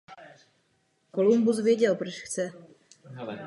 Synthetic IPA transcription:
kolumbusvjɛɟɛlpɾoʃxt͡sɛ

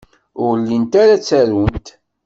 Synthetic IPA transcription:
ʊʁlːint̪aɾat͡sːæɾunt̪

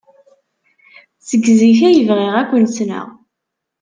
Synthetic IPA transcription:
səɡziçæjəvʁeʁækʷːənsnə̰ʁ

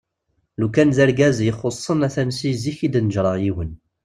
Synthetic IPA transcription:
lukænzæɾɡæzjəχosˤːənæθænsiziçid̪nəʒɾˤɑʁjiwən

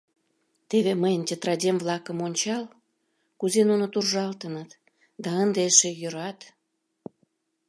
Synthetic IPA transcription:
t̪eβeməjəntʲet̪rɑdʲemvlɑkəmonʲt͡ɕɑl | kuzenunot̪urʒɑlt̪ənət̪ | d̪ɑənd̪eʃejøɾɑt̪

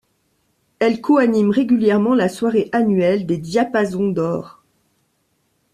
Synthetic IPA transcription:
ɛlkɔanimʁeɡʲyljɛʁmɑ̃laswaʁeʔanɥɛld̪ed̪japazɔ̃d̪ɔːʁ

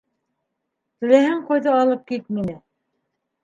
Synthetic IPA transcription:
t̪ɘ̆læhɘɴqojðɤɑlˠɤp̚kit̪̚minɘ

